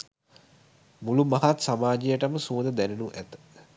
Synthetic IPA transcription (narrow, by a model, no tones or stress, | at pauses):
mulumaɦat̪samaːd͡ʒijəʈəməsuːnəd̪ænenuʔæt̪ə̥